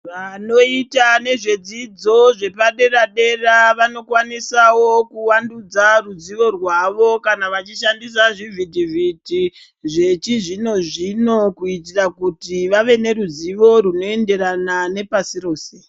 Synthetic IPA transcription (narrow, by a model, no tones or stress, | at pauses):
ʋano̞itane̞ʐe̞d͡zid͡zo̞ʐe̞paɗe̞raɗe̞raʋano̞kwanisawo̞kuwandud͡zarud͡ziʋo̞rwaʋo̞kanaʋat͡ʃiʃandis̬aʐivʱidiviti | ʐe̞t͡ʃiʐino̞ʐino̞kuit̬irakutiʋaʋe̞ne̞ɾuziʋo̞ɾuno̞e̞nde̞ɾanane̞pasiro̞ːse̞